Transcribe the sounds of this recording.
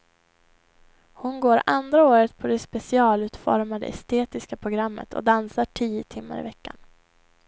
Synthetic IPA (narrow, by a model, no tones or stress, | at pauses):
hʊnɡoːɾand̪ɾaoːɾət̪pʰɔd̪ɛspɛsɪɑːlʉ̟ːt̪fɔ̰ɾmad̪ə̰ɛst̪eːt̪ɪskapʰɾʊɡɾamːə̰t̪ʰɔ̰d̪ansaʈʰiːət̪ʰɪmːa̰ɾɪ̰vɛkːa̰n